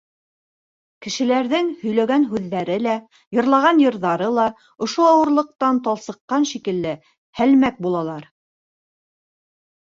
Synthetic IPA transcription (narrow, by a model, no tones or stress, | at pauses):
kɘ̆ʃɘ̆læɾðɘŋhɵ̆jlæɡænɦʉðːæɾɘlæ | jɤ̆ɾlˠɑʁɑnjɤ̆ɾðɑɾɤlˠɑ | ŏʃoɑwɤ̆ɾlˠɤ̆q̚t̪ɑnt̪ɑlˠsɤ̆qːɑnʃikɘ̆lːɘ | hælmæk̚bulˠɑlˠɑɾ